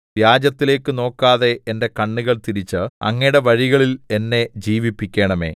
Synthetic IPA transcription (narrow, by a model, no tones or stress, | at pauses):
ʋjaːd͡ʑɐt̪ːile̞ːkːɨno̞ːkːaːðe̞ːnde̞kɐɳːuɣɐɭt̪iɾit͡ɕːɨɐ̰ŋːɐjɽe̞ʋɐɻiɣɐɭile̞nːe̞d͡ʑiːʋipːikʲːe̞ːɳɐme̞̰ː